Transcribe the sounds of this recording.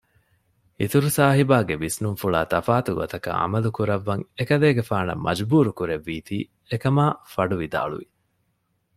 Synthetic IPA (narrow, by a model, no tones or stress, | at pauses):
ḭt̪uɾusaːɦibaːɡeʋisnuŋfuɭa̰ːt̪ɐfaːt̪uɡot̪ɐkɐ̰ʔɐ̰mɐlukuɾɐʋːɐŋekɐleːɡefaːnɐ̰mːʔɐ̰d͡ʒbuːɾukuɾeʋːiːt̪iː | ekɐmaːfɐɖuʋid̪a̰ːɭṵʋi